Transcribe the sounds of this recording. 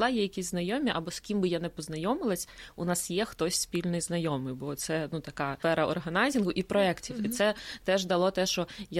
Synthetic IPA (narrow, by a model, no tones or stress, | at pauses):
lˠɑjɛjɐkʲisʲznɐjɔmʲiʔɐbɔskʲimbɪjanɛpɔznɐjɔmɪlˠɐsʲʊnɑsjɛxt̪ɔsʲspʲilʲnɔjznɐjɔmɪjbɔt̪sɛnut̪ɐkɑfɛɾɐɔrɦɐnɑzʲinɦʊʔipɾɔɛktʲiwit̪sɛt̪ɛʒd̪ɐlˠɔt̪ɛʃt͡ʃɔja